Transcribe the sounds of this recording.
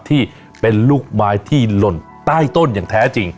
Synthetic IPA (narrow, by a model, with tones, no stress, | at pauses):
t̪ʰiː˥˩ | pe˧nluː˥˩k̚maː˦˥jt̪ʰiː˥˩lo˨˩n | t̪aː˥˩jt̪o˥˩njaː˨˩ŋt̪ʰɛː˦˥t͡ɕi˧ŋ